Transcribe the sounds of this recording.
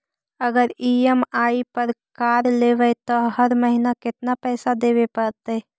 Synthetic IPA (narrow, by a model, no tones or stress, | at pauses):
əɡəɾiemaːipəɾkaːɾleːʋət̪ɔɦəɾməɦinakɪt̪napɛːsad̪eːʋepəɾt̪e